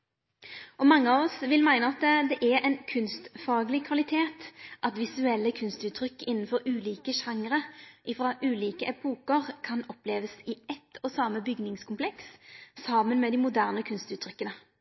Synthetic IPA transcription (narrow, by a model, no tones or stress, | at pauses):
ɔmɑŋːəɑːʋɔsʋɪlmæɪnəɑt̪d̪ɛʔæʔɛɪnkʰʉnst̪fɑːɡlɪkʰʋɑlɪt̪ʰeːt̪ʔɑt̪ʋɪsʉɛlːəkʰʉnst̪ʉːt̪ʰːʁʏkːɪnːn̩fɔʁʉːliːkəʃɑŋʁəʔɪfʁɑʔʉːliːkəʔɛpʰuːkəʁkʰɑnɔpleːʋəsɪɛt̪ʰːɔsɑːməbʏɡnɪŋskʰʊmpʰlɛkssɑːmənmɛːd̪ɪmʊd̪æʁnəkʰʉnst̪ʉːt̪ʰːɾʏkːənə